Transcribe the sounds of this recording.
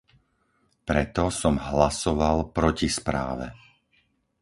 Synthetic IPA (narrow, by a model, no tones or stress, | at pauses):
pɾɛt̪ɔsɔmɦlasɔʋalpɾɔcispɾa̰ːʋɛ̰